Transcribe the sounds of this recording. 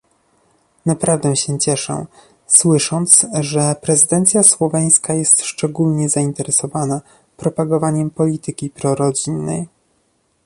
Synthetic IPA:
napɾavd̪ɛɕɛt͡ɕɛʂɛ̰̃ | swɘʂɔnt̪sʐɛpɾɛzɘd̪ɛnt̪sʲjaswɔvɛj̃skajɛst̪ʂt͡ʂɛɡulɲɛzaint̪ɛɾɛsɔvana | pɾɔpaɡɔvaɲɛmpɔlʲit̪ɘkʲipɾɔɾɔd͡ʑinːɛ̰j

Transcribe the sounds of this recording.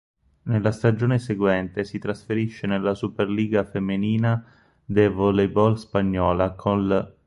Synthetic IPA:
nelːast̪ad͡ʒoːneseɡwɛnt̪esit̪ɾasfeɾiʃːenelːasuperliːɡafemːiniːna | d̪evɔlebɔlspaɲːɔːlakʰonl

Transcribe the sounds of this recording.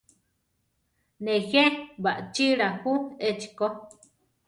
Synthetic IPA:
nejebaʔt͡ʃiɺahuet͡ʃi̥ko

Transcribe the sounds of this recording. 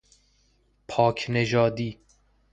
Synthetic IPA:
pʰɒːkʰneʒɒːd̪iː

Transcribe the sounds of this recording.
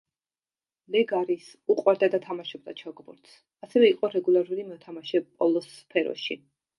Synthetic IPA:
lɛɡaɾis | uqʼwaɾd̪ad̪at̪ʰamaʃɔb̚d̪a̰t͡ʃʰaɡbṵɾt̪ʰs | asɛvɛiqʼɔɾɛɡulˠaɾulimɔt̪ʰamaʃɛpʼɔlˠɔspʰɛɾɔ̰ʃḭ

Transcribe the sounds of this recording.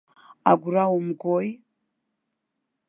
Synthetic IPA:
a̰ɡuɾawomuɡoji

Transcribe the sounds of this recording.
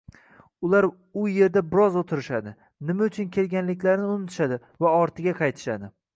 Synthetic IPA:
ʊlaɾ | ʊje̞ɾd̪abɪɾɒzot̪ʰɪɾɪʃad̪ɪ | nɪmaʊt͡ʃʰʊnkʲʰe̞lɡʲanlɪkʲlaɾnɪʊmɪt̪ʰɪ̥ʃad̪ɪ | vaɒɾt̪ʰɪɡʲaqʰɑjt̪ʰɪ̥ʃad̪ɪ

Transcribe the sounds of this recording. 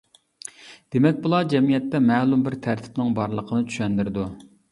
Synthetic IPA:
d̪̥emɛk̚ʲbulˠɑd͡ʒɛmijɛt̪ːɛmɛːlˠumbɪɾt̪ʰæɾt̪ʰɪ̥pnɪŋbɑɾlˠəqʰənɨt͡ʃʰy̥ʃɛnd̪ɪɾɪd̪u

